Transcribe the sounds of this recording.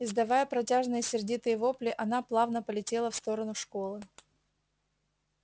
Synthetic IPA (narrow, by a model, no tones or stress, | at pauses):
ɪzd̪ɐvajəpɾɐtʲaʐnɨjəsʲɪrdʲit̪ɨjəvo̞plʲɪʔɐnaplˠavnəpəlʲɪtʲelˠəfst̪o̞ɾənʊʂko̞lˠɨ